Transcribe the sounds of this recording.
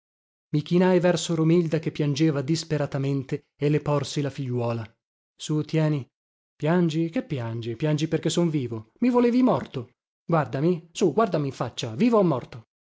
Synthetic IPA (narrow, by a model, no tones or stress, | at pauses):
mik̟inajvɛrsoɾomild̪ak̟epːjand͡ʒeːvad̪ispeɾat̪ament̪e | elːepɔrsilafiʎːwɔːla | sut̪jɛːni | pjand͡ʒikepːjand͡ʒipjand͡ʒiperkesːoɱviːvomivoleːvimɔrt̪o | ɡward̪amisuɡward̪amiːɱfat͡ʃːaviːvoɛmːɔrt̪o